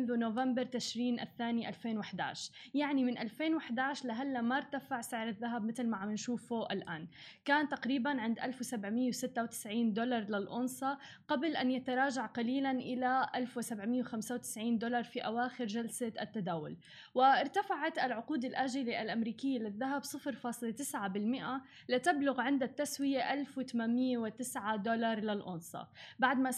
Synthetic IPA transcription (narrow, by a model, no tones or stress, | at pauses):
nðunovambɪɾˤt̪ɪʃɾiːnʔa̰θːaːniʔalfeːnwaħd̪a̰ːʕʃjaʕnimɪnʔalfeːnwaħd̪aːʕʃlaɦalːamaɾˤt̪afaʕsɪʕɾɪðːaɦabmɪt̪lmaʕamɪnʃuːfuʔɪlʔaːnkaːnt̪aqɾiːbanʕɪnd̪ʔalfwɪsabʕmɪjːawsɪt̪ːawt̪ɪ̥sʕiːnd̪olɑɾˤlɪlʔʊnsˤɑ | qɑblʔanjat̪aɾˤɑːʒaʕqɑliːlanʔɪlaʔalfwɪsabʕmɪjːewɪxamsawt̪ɪ̥sʕiːnd̪olɑɾˤfiʔawaːxɪɾʒalsaʔat̪ːad̪aːwʊ̰l | wɪɪɾt̪afaʕat̪ʔalʕʊquːd̪alʔaʒɪliʔalʔamɾiːkɪjːalɪðːaɦabsˤɨfɾfɑːsˤlet̪ɪsʕabɪlmɪʔa | lɪt̪ablʊɣʕɪnd̪at̪ːaswɪjaʔalfwɪt̪amanmɪjːewɪt̪ɪsʕad̪olɑɾˤlɪlʔʊ̰nsˤɑ̰baʕd̪ma